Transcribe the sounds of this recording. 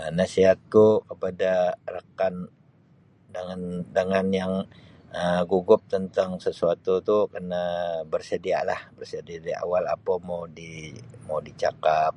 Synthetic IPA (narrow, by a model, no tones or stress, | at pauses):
ənasiɦat̪̚kukəpadarəkan | dəŋandəŋanjaŋ | əɡuɡʊp̚t̪ənt̪aŋsəsuat̪ut̪ukərnabərsədia̰ʔlahbərsədiadiʔa̰wala̰pamawdimadit͡ʃakap̚